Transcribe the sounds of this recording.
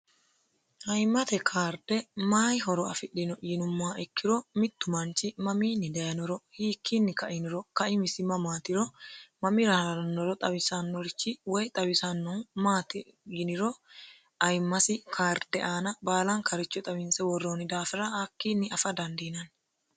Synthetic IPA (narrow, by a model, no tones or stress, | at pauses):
ʔɐjmːɐt̪ɛkʰaːɾd̪ɛmaːjɦɔɾɔɐfɪɗːɪnɔʔːnʊmːaːɛkʰːɪɾɔmɪt̪ːʊmɐnt͡ʃɪmɐmiːnːɪd̪ɐjɐnɔɾɔhiːkːinːɪkɐʔɪnɪɾɔkɐʔɪmɪsɪmɐmaːt̪ɪɾɔmɐmɪɾɐhɐɐɾɐnːɔɾɔt̪ʼɐbɪsɐnːɔɾɪt͡ʃːɪwɔjt̪ʼɐbɪsɐnːɔnmaːt̪ɪjɪnɪɾɔ | ʔɐjmːɐsɪkʰaːɾd̪̥ɛʔaːnɐbaːlɐŋkʰɐɾɪt͡ʃːɔt̪ʼɐwɪnsɛwɔrːoːnɪd̪aːfɪɾɐakːiːnːɪɐfɐd̪ɐnd̪iːnɐn